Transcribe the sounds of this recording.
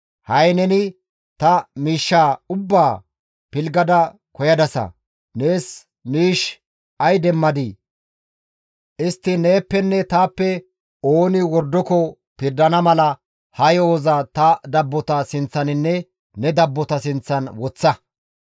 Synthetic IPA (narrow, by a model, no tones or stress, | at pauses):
hɐjnɛnɪ | t̪ɐmiːʃːaːʊbːaː | pɪlɡɐd̪ɐ | kɔjɐd̪ɐsɐ̰ | ne̞ːs | miːʃ | ɐjd̪ɛmːɐd̪ɪ | ʔɪst̪ːɪne̞ːpːɛnːɛt̪aːpːɛ | oːnɪwɔɾd̪ːɔkɔ | pɪɾd̪ɐnɐmɐlɐ | hɐjoːzɐt̪ɐd̪ɐbːɔt̪ɐsɪnt͡sːɐnɪnːɛ | nɛd̪ɐbːɔt̪ɐsɪnt͡sːɐnwɔt͡sːɐ